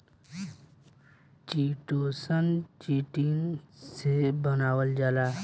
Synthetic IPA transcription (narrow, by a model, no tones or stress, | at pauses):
t͡ʃiʈosʌnt͡ʃiʈiŋsebʌnawəld͡ʒala